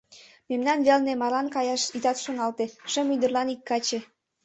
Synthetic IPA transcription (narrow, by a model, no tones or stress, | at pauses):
memnɑnβelnemɑlɑnkɑjɑʃit̪ɑt̪ʃonɑlt̪eʃə̆myd̪ərlɑnikːɑt͡ɕe